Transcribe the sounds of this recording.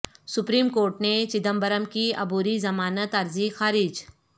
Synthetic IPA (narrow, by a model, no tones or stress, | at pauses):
sʊpɾiːmkoːɾʈnet͡ʃɪd̪əmbəɾəmkiɐ̰buːɾizɐmaːnət̪ɐɾzixaːɾɪːd͡ʒ